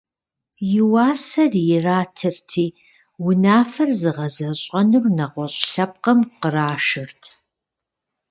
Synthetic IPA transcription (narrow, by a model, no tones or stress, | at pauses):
jɪwaːsɐrjɪraːtʰɨrtʰiː | wʊnaːfɐrzɨʁɐzɐɕʼɐnɨrnɐʁʷɔɕʼɬɐp̚qɐmqəraːʃɨrtʰ